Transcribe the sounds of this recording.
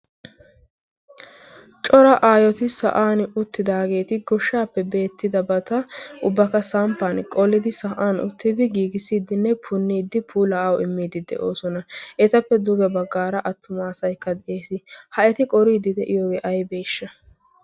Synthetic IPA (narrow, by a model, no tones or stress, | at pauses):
t͡ʃʼɔɾɐʔaːjɔt̪ɪsɐ̰ʔaːnʊt̪ːɪd̪aːɡe̞ːt̪ɪɡɔʃːaːpːɛbe̞ːt̪ːɪd̪ɐbɐt̪ɐʔʊbːɐkɐsaːmpːankʼɔlːɪd̪ɪsɐʔaːnʊ̰t̪ːɪd̪ɪɡiːɡɪsiːd̪ɪnːɛpʰʊnːiːd̪ːɪpʰuːlɐːwɪmːiːd̪ɪd̪ɛ̰ʔo̞ːsɔnɐʔɛt̪ɐpːɛd̪ʊɡɛbɐɡːaːɾɐʔɐt̪ːʊmaːsɐjkːɐd̪ɛʔe̞ːsɪhɐɛt̪ɪkʼɔɾiːd̪ɪd̪ɛʔɪjoːɡeːʔɐjbeːʃːɐ